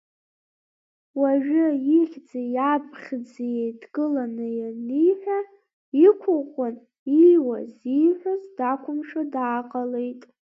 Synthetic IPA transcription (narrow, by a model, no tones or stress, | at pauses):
waʒᶣʊjiχʲd͡zajabʰχʲd͡zijejdɡɨlanɨjanijħʷᶣa | ikʷʰʊqʷʼʊn | iwazijħʷᶣazdakʷʰʊmʂadaːqʼalejtʼ